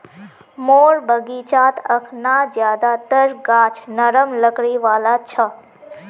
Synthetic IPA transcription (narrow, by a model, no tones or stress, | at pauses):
moɾbəɡit͡ʃaːt̪ʰəkʰnad͡ʒjaːd̪at̪əɾɡaːt͡ʃʰnəɾəmləkɾiʋaːlat͡ʃʰə